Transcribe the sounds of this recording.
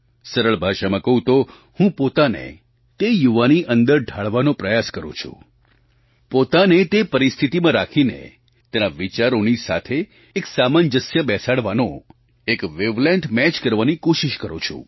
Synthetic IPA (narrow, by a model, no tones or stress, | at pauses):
səɾəɭbʱaʃamãkəɦũt̪o | hũpot̪anḛ | t̪ejuʋaniʔənd̪əɾɖʱaɭʋanopɾəjaskəɾṵ̃t͡ʃʰṵ̃ | pot̪anet̪epəɾist̪ʰit̪imãɾakʰinḛ | t̪enaʋit͡ʃaɾonisa̰t̪ʰeː | ksamand͡ʒəsjəbɛsaɽʋano | ekʋeʋlẽɳʈmɛt͡ʃkəɾʋanikoʃiʃkəɾṵ̃t͡ʃʰṵ̃